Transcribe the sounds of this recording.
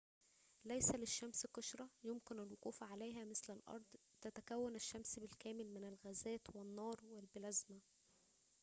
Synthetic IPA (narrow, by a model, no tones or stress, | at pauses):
læjsæleʃːæmsqɑʃɾˤɑjomkɪnælwoquːfʕalæjɦæːmɪslælʔɑ̰ɾˤd̪ˤ | t̪æt̪ækæwːænæʃːæmsbelkæːmɪlmɪnælɣæzæːt̪wenːɑːɾˤwelbɪlæzmæ